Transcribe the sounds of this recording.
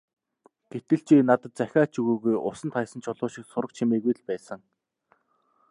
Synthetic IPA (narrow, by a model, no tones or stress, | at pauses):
ɡ̥et̪ɘ̆ɬt͡ɕiːnat̪ə̆t̪̚t͡sæxʲaːt͡ɕuɣuːɣujʔʊ̰sə̆nt̪χaj̆sə̆nt͡ɕʰʊɮʊːʃiksʊɾə̆k̚t͡ɕʰimeːɣujɮpæːsə̆ŋ